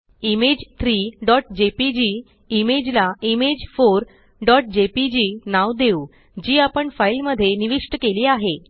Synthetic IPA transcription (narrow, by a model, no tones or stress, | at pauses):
imed͡ʑt̪ʰɾiːɖɔʈd͡ʑepid͡ʑiː | med͡ʑlaimed͡ʑfoɾ | ɖɔʈ̚d͡ʑepid͡ʑiːnaʋd̪euː | d͡ʑiːapəɳfailməd̪ʱːjeniʋikʂʈəkeliːaɦe